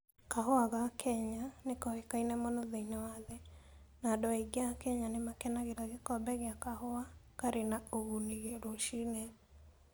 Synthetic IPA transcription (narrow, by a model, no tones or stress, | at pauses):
kaɦɔaɣakʰɛɲanekɔhekainɛmonoðeinawaðɛ | nadɔaiɡeakɛɲanemakɛnaɣeɾaɣekɔbɛɣeakahoakaɾenaoɣuniɣeɾoʃinɛ